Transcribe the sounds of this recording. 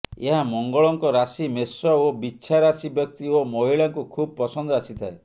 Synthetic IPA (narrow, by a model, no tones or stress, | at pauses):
eɦamɔŋɡɔɭɔŋkɔɾasimesɔobit͡ʃʰaɾasibjɔk̚t̪iomɔɦiɭaŋkukʰubɔpɔsɔnd̪ɔasit̪ʰae